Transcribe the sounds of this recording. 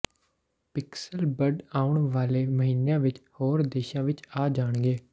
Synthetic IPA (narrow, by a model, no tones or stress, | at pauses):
pɪksəlbəɖaːʊɳʋaːleːməɦiːnejãːʋɪt͡ʃhoːɾd̪eːʃãːʋɪt͡ʃaːd͡ʒaːɳɡeː